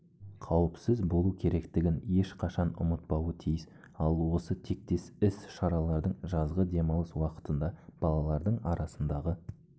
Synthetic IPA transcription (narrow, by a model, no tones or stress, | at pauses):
qʰɑwəpsɪzbo̞lˠukʲʰe̞ɾe̞kt̪ɪɡʲɪne̞ʃqʰɑʃɑnʊ̰mət̪̚pɑwət̪ʰijɪs | ɑlˠwo̞sət̪ʰe̞k̚t̪e̞sɪsʃɑɾɑlˠɑɾd̪əɴʒɑzʁəd̪e̞mɑwˠəswɑqə̥t̪ənd̪ɑb̥ɑlˠɑlˠɑɾd̪əɴɑɾɑsənd̪ɑʁə